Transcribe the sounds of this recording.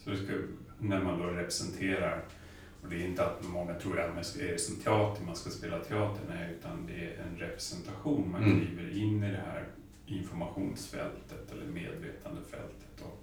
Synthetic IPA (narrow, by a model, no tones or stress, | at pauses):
sɔd̪ɛska | næɾmand̪oɾɛpɾɛsɛnt̪ʰeːɾaɾ | ɔd̪ɛːɾɪnt̪əat̪mɔŋːat̪ʰɾuːɾɛt̪mɛseɾəsənt̪ʰɛɑːt̪ʰəɾmanskaspeːlat̪ʰɛɑːt̪əɳaʉ̟ːt̪ʰand̪ɛæɾɛ̰nɾɛpɾɛsɛnt̪ʰaɧuːnmankʰɾiːvəɾɪnːɪd̪ɛhæ̰ːɾ | ʔɪnfɔɾmaɧuːnsfɛ̰lt̪ət̪ɛlːəɾmḛːd̪veːt̪ʰand̪əfɛ̰lt̪ʰə̥t̪ːɔ